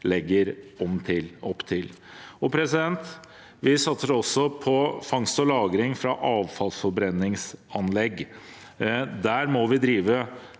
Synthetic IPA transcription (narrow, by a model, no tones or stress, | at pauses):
lɛɡːəɾɔmt̪ʰɪlɔpːt̪ʰɪl | ɔpʰɾɛsɪd̪ɛnt̪ | ʋɪsɑt̪səɾɔsːɔpʰɔfɑŋst̪ɔlɑːɡɾɪŋfɾɑʔɑːʋfɑlsfɔɾbɾɛnːɪŋsɑnlɛɡː | d̪æɾmɔʋɪd̪ɾiːʋə